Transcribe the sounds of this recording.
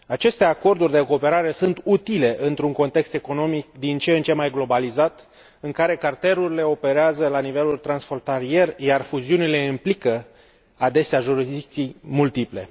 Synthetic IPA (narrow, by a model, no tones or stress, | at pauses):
at͡ʃe̞st̪e̞ako̞rd̪urʲd̪e̞ko̞ːpe̞ɾaɾe̞sunt̪ut̪ile̞ʔɨnt̪ɾuŋko̞nt̪e̞kst̪e̞ko̞no̞mik̚d̪int͡ʃe̞ɨnt͡ʃe̞majɡlo̞balizat̪ | ɨŋkaɾe̞kart̪e̞ɾuɾile̞o̞pe̞ɾeazəlanive̞lult̪ɾansfo̞nt̪aɾie̞rjarfuziunile̞implikə | ad̪e̞seaʒuɾizd̪ik̚t̪siejmult̪iple̞̰